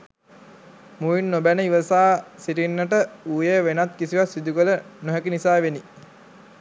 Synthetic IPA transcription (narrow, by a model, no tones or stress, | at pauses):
muʋinːobænəiʋəsaːsiʈinːəʈəuːjeʋenat̪̚kisiʋat̪sid̪ukələnoɦækinisaːʋeni